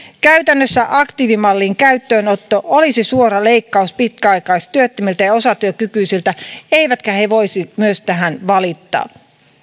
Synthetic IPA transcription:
kæyt̪ænːøsːæʔɑkt̪iʋimɑlːiːŋkæyt̪ːøːnot̪ːoʔolisisuoɾɑle̞ikːɑuspit̪̚kæɑikɑistt̪yøt̪ːømilt̪æjɑo̞sɑt̪yøkykyisilt̪æeiʋæt̪kæheʋo̞isimyøst̪æɦænʋɑlit̪ːɑ̰ː

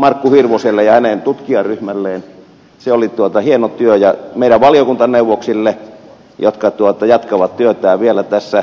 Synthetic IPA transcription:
mɑrkːuhirʋoselːejɑhænent̪ut̪kiɑryhmælːeːn | seolit̪uot̪ɑhienot̪yøjɑmeˑiɾæʋʋɑliokunt̪ɑneuʋˑoksilːe | jot̪kɑt̪uot̪ɑjɑt̪kɑʋɑt̪t̪yøt̪æːʋielæt̪æsːæ

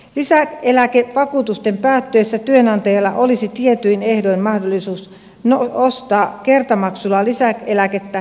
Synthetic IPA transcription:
lisækelækeʋɑkuːt̪ust̪e̞mpæːt̪ːøːsːæt̪yønɑnt̪ɑjɑlːɑʔolisit̪ie̞t̪yjnehdojmmɑhdolːˑisuːs | noost̪ɑːke̞rt̪ɑmɑksulːɑlisækelæket̪ːæ

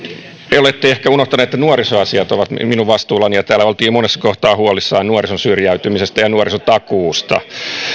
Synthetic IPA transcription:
eolet̪ːeehkæunoht̪ɑneet̪ːænuorisoɑsiɑt̪oʋɑt̪mminuʋʋɑst̪uːlːɑnijɑt̪æːlːæolt̪iːmonesːɑ̥koht̪ɑːhuolisːɑːnuorisonsyrjæyt̪ymisest̪æjɑnuorisot̪ɑkuːst̪ɑ̰

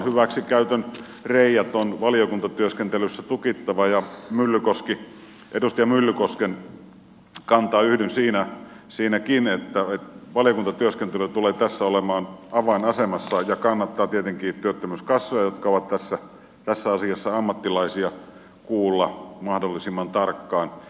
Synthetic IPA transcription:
hyʋæksikæyt̪øn | reijæt̪onʋɑlijokunt̪ɑt̪yøskent̪elysːæt̪ukit̪ːɑʋɑjɑmylːykoski | ʔedust̪ijɑmylːykosken | kɑnt̪ɑːyhdynsiːnæsiːnækinet̪ːæet̪ʋɑlijokunt̪ɑt̪yøskent̪elyt̪uleːt̪æsːæolemɑːnɑʋɑinɑsemɑsːɑjɑkɑnːɑt̪ːɑːt̪iet̪eŋkiːt̪yøt̪ːømyskɑsːojɑjot̪kɑoʋɑt̪t̪æsːæ | t̪æsːæɑsiɑsːɑɑmːɑt̪ːilɑisiɑ | kuːlːɑmɑhdolːisimːɑnt̪ɑrkːɑːn

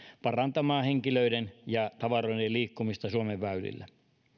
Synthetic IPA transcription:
pɑrɑnt̪ɑmɑːheŋkiløidenjɑt̪ɑʋɑroideliːkːumist̪ɑsuomeʋːæylḭlːæ

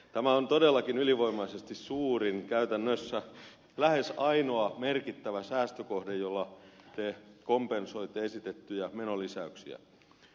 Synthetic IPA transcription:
t̪æmæont̪odelːɑkinyliʋoimɑisest̪issuːriŋkæyt̪ænːøsːæ | læhesɑinoɑmerkit̪ːæʋæsæːst̪økohdejjolːɑt̪ekompenso̞it̪ːeesit̪et̪ːyjæmenolisæyksḭæ̰

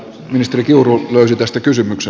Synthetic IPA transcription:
minist̪erikiuruløysit̪æst̪ækysymykse

